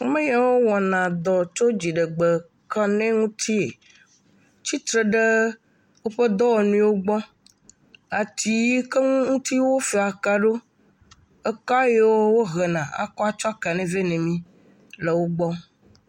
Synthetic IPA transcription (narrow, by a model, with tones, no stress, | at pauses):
o˦mẽ˦ja˨wo˦wɔ˨nã˨d̪ɔ˨t͡ʃo˦d͡ʑi˨ɖɛ˨ɡ͡be˨ | ka˦nɛ̃˦ŋũ˦t̪ʰi˦e˨ | t͡ɕi˦t̪ɾe˨ɖe˦ | wo˦ɸe˦d̪ɔ˦wɔ˨nũ˦wo˦ɡ͡bɔ˦ | a˨t̪i˨˦ji˦kɛ˦ŋũ˦ŋũ˦t̪i˦wo˦fe˨a˨ka˨ɖo˦ | e˦ka˦je˦wo˦wo˦ɦɛ˨nã˨a̰˨kɔ˦a˦t͡ʃɔ˦a˦ka˨nɛ̃˨vɛ˦nɛ̃˨mĩ˦ | le˨wo˦ɡ͡bɔ˦